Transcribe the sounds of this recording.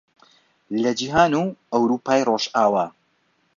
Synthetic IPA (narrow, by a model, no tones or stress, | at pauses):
lɐd͡ʒiːɦaːnuʔɐwɾuːpaːjroːʃaːwaː